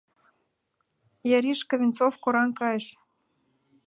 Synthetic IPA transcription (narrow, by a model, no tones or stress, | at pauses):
jɑɾiʃkɤ̆vʲint͡sofkoɾɑnkɑjə̆ʃ